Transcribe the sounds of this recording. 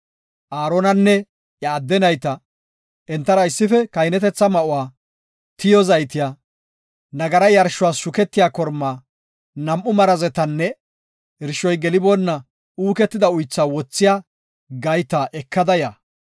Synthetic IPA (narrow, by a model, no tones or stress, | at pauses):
ʔaːɾonɐnːɛ | jɐːd̪ːɛnɐjt̪ɐ | ʔɛnt̪ːɐɾɐɪsːɪfɛkɐjnɛt̪ɛt͡sːɐmɐʔʊwaː | t̪ɪjɔzɐjt̪ɪjaː | nɐɡɐɾɐjɐɾʃʊwaːsʃʊkɛt̪ːɪjaːkɔɾmːaː | nɐmʔːʊmɐɾɐzɛt̪ɐnːɛ | ɪɾʃɔjɡɛlɪbonːɐ | uːkɛt̪ːɪd̪ɐʊjt͡sːaːwɔt͡sːɪjaː | ɡɐjt̪ɐʔɛkʰːɐd̪ɐjaː